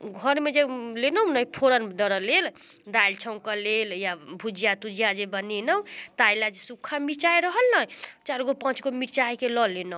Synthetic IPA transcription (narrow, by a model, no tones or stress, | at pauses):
ɡʱʌɾmed͡zelenʌwnʌjpʰoɾʌnd̪ʌɾʌlel | d̪ajlt͡ʃʰʌw̃kaleljabʱud͡ʒijat̪ud͡ʒijad͡zebʌninʌwt̪ajlad͡zesukʰamit͡ʃajɾʌɦʌlnʌjt͡ʃaɾɡopãt͡ʃkomiɾt͡ʃajkelʌlenʌw̃